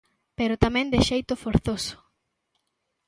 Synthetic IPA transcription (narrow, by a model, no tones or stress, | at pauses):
peɾʊt̪amɛ̃nd̪ɪʃejt̪ʊfoɾθosʊ̥